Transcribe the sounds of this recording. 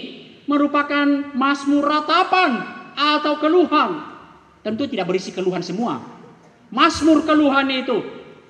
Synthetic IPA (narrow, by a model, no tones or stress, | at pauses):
məɾupakanmasmʊrːat̪apanat̪aukəluɦan | t̪ənt̪ut̪idaʔbəɾisikəluɦansəmua̰ | masmʊrkəluɦanit̪u